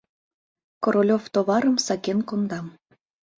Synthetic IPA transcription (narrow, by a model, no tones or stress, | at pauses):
koɾolʲoft̪oβɑɾəmsɑkenkond̪ɑm